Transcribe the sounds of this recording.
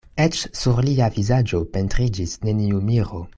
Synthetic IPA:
et͡ʃsuɾliavizad͡ʒope̞ntɾid͡ʒisne̞niumiɾo

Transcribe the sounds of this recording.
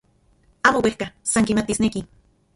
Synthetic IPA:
aːmowehkasaŋkimat̪isneki

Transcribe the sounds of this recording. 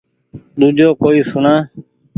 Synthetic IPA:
ɗ̪uːd͡ʒʱoːkoːiːsʊɳãː

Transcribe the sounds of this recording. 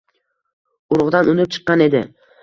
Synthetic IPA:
ʊɾʁd̪anʊnɪp̚t͡ʃʰɨ̥qːɑne̞d̪ɪ̰

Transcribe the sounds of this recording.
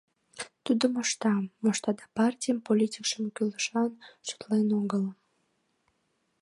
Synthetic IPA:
t̪ud̪omoʃt̪ɑmːoʃt̪ɑd̪ɑpɑrtʲijəmpolʲitʲikʃəmkyləʃɑnʃu̥t̪lenuɡələm

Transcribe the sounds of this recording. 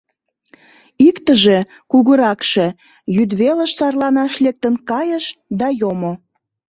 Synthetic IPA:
ikt̪əʒe̽ | kuɣəɾɑkʃe̽ | jyd̪βelə̆ʃsɑrlɑnɑʃlek̚t̪ənkɑjəʃd̪ɑjomo

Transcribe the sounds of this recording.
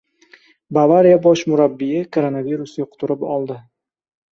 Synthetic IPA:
bavaɾijabɒʃmʊɾabːijɪkʰoɾonaviɾʊsjoqʰʊ̥t̪ʰʊɾɪpɒlˠd̪ɪ

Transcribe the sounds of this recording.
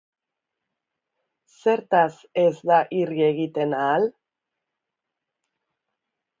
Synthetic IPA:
seɾt̪asezðaʔirjeɣit̪enal

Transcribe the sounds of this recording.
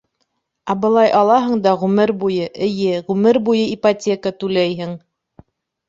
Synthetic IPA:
ɑbɤ̆lˠɑjʔɑlˠɑɦɤ̆ɴd̪ɑʁʉmɘɾbujɤʔɘ̆jɘʁʉmɘɾbujɤipatʲekət̪ʉlæjɦɘŋ

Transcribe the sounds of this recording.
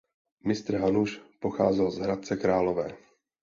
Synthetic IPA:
mɪst̪ɾ̩ɦanuʃpo̞xa̰ːzɛlzɦɾat̪̚t͡sɛkɾaːlo̞vɛː

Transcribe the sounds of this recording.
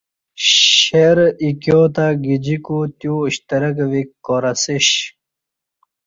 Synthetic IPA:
ɕeɾikjoːt̪aɡid͡ʑikut̪juɕt̪ɐɾɐkʋikːoːɾɐsiɕ

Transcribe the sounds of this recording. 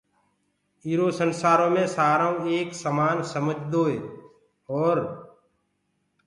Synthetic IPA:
iːɾoːsənsaːɾõːmẽːsaːɾãeːksəmaːnsəməd͡ʒʱd̪oːɦeː | ɔːɾ

